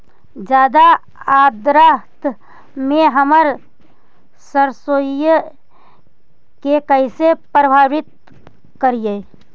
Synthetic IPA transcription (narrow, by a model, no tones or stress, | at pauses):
d͡ʒjaːd̪a | ad̪ɾaɦt̪ | mẽɦəməɾ | səɾsojə | kekəɪsepɾəbʱaːwɪt̪̚ | kəɾije